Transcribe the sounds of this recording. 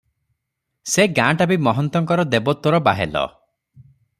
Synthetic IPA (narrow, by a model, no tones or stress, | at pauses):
seɡãʈabimɔɦɔnt̪ɔŋkɔɾɔd̪ebɔt̪ɔɾɔba̰ɦelɔ̰